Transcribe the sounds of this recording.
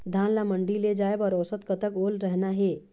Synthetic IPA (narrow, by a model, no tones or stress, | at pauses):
d̪ʱãnlaməɳɖiled͡ʒaebɔɾɔːsət̪kət̪əkolɾəɦnaɦe